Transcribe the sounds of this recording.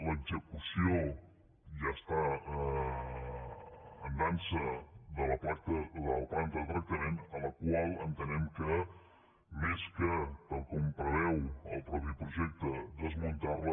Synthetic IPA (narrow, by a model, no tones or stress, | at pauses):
ləɡzəkusio | ʒast̪a | ənd̪ansəd̪ələpakt̪ələpant̪əlˠt̪ɾək̚t̪əmenələkwalˠənt̪ənɛmkə | meskət̪alˠkumpəɾɛwəlˠpɾɔpipɾuʒɛk̚t̪əd̪əzmunt̪arlə